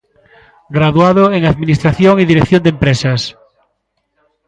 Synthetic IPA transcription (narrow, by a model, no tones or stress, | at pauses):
ɡɾaðuaðoeŋaðminist̪ɾaθjoŋiðiɾeθjond̪empɾesɐs